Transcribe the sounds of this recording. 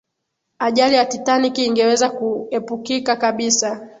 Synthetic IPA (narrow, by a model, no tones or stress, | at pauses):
aʄalijatitanikiːŋɡɛwɛzakuɛpukikakaɓisa